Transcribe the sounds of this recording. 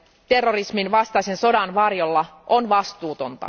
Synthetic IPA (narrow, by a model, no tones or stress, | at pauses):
t̪e̞rːo̞risminʋɑst̪ɑjse̞nso̞dɑnʋɑrjo̞lːɑʔonʋɑst̪uːt̪o̞nt̪ɑ̰